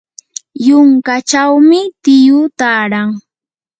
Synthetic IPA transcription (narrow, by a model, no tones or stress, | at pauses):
jʊŋkat͡ʃawmɪt̪ɪjʊt̪aːɾaŋ